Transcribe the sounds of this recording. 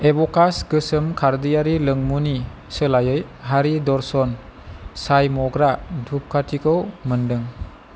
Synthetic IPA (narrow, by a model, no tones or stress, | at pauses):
ebɔkasɡɯsəmkʰaɾdijaɾiləŋmuni | səlajɯjɦaɾidɔɾsɔnsajmɔɡɾadʰʱup̚kʰatʰikʰɯwməndɯŋ